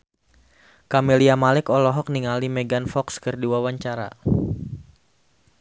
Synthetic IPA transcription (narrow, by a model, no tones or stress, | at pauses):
kameliamalɪkɔlɔɦɔk̚niŋalimɛɡanfɔkskɨrdiwawaɲt͡ʃaɾa̰